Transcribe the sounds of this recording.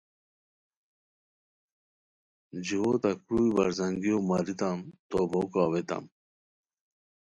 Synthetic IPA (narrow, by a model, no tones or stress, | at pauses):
d͡ʑiwot̪akujbaɾzaŋɡiomaɾit̪amt̪obokaːwet̪a̰m